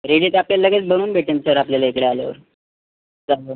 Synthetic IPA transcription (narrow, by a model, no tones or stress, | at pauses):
ɾeɽit̪apljalləɡet͡sbənuːnbʱeʈensəɾapljalaekɽealjaʋə̰ɾ | d͡zaɦo